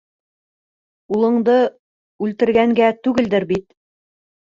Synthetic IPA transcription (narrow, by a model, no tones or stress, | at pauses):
ulˠɤ̆ɴd̪ɤ | ʉlt̪ɘ̆ɾɡæŋɡæt̪ʉɡɘld̪ɘɾbit̪̚